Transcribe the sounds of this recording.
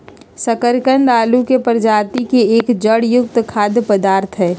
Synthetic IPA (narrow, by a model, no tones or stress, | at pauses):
sɐkəɾkənɖaːlukepəɾd͡ʒaːt̪ikeeːkd͡ʒəɽjʊk̚t̪kʰaːd̪jəpəd̪aːɾt̪ʰɦɛː